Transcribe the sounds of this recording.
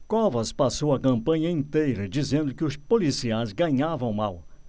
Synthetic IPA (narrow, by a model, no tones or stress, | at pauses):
kɔvɐspasowɐkɐ̃mpɐ̃ɲɐĩnt̪ejɾɐd͡ʒizẽnd̪ʊkɪʊspolisiajzɡɐɲavɐ̃w̃maw